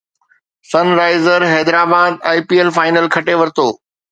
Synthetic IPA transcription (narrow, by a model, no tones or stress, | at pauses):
sɐnɾaːɪzəɾɦɛːd̪ɾaːbaːd̪̚aːɪpiːelfaːɪnəlkʰɐʈeʋɐɾɪt̪oː